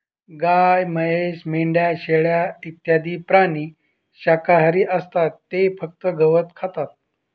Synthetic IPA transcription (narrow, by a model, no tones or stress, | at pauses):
ɡajməɦeɕmeɳɖjaɕeɭjait̪jad̪iːpɾaɳ̃iː | ɕakaɦaɾiːʔəst̪at̪ːefək̚t̪əɡəʋət̪kʰat̪at̪̚